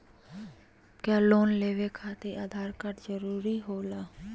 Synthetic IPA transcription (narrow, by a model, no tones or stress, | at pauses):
kjaːloːnleːʋekʰaːt̪eʔaːd̪ʱaːɾkəʈd͡ʒəɾuːɾiɦoːlaː